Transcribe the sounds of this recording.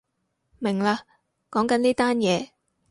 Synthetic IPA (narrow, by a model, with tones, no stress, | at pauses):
mɪ˨˩ŋlaː˧ | kɔː˨˥ŋkɐ˨˦niː˥t̪aː˥njɛː˨˧